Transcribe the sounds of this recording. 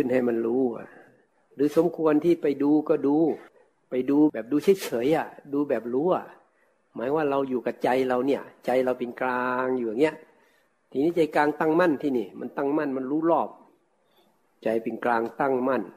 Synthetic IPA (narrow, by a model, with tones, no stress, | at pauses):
kʰɯ˧˩˨nha˧˩jma˧nɾuː˦˥a̰˧˩ | ɾɯː˨˦so˨˦mkʰu˧ənt̪ʰiː˥˩pa˨˩jduː˧kɔː˧˩duː˧ | pa˨˩jduː˧bɛː˨˩p̚duː˧sʰi˧˩t͡ɕʰɤː˨˩˦jʔa˧˩duː˧bɛː˨˩p̚luː˦˥ʔa̰˨˩ | maː˨˦jwaː˧˩ɾa˧wjuː˨˩ka˨˧˩t͡ɕa˧jla˧wni˧˩ɐt͡ɕa˧jla˧wpe˧nklaː˧ŋjuː˨a˨˩ŋni˦˥˩ɐ˨ʔ | t̪ʰiː˧˨niː˧˥˩t͡ɕa˧jklaː˧ŋt̪a˥˩˨ŋma˥˨nt̪ʰiː˧˩niː˧˩ma˧˨nt̪a˥˩ŋma˧˥˩nma˧˨nɾuː˦˥˨lɔː˧˥˩p̚ | t͡ɕa˧jpe˧nklaː˧ŋt̪a˥˩˨ŋma˧˥˩n